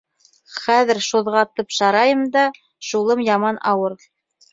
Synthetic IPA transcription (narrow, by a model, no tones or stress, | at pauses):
χæðɘ̆ɾʃuðʁɑt̪ɤpʃɑɾɑjɤmd̪ɑ | ʃulˠɤmjɑmɑnɑwɤɾ